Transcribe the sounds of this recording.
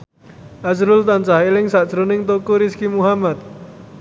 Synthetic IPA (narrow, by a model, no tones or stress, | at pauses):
ʔasɾʊlt̪ant͡ʃahelɪŋsaʔd̥ʒ̥ɾonɪŋt̪okuɾɪskimuɦamat̪̚